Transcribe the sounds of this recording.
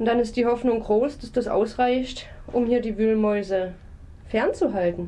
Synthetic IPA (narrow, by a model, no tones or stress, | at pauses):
ʊntd̥anɪst̚d̥iːhɔfnʊŋɡʁoːsd̥asd̥asʔa̰ʊsʁaɪçt | ʔʊmhiːɐdiːvyːlmɔʏzə | fɛɐnt͡suɦaltn̩